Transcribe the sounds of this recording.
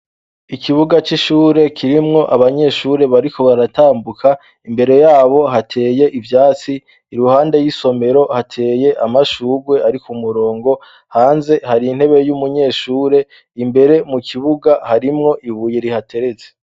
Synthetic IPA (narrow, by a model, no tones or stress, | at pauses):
ikʰiβuɡat͡ʃiʃuːɾe̞kʰiɾimŋo̞ʔaβaɲe̞ʃuːɾe̞βaɾiko̞βaɾataːmbukʰa | imbe̞ɾe̞jaːβo̞ɦatʰe̞ːje̞ʔivjaːt͡siː | ɾuhaːnde̞jiso̞me̞ɾo̞hatʰe̞ːje̞ʔamaʃuːɡwe̞aɾikumuɾo̞ːŋɡo̞ | haːnze̞haɾin̥he̞βe̞jumuɲe̞ːʃuːɾe̞ | imbe̞ɾe̞mukʰiβuɡahaɾimŋo̞ʔiβuːjeɾihatʰe̞ɾe̞ze̥